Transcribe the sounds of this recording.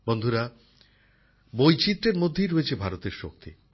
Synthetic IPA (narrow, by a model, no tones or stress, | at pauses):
bond̪ʱuɾa | bojt͡ɕit̪ːɾeɾmod̪ʱːejɾoet͡ɕʰebʱaɾot̪eɾʃok̚t̪ḭ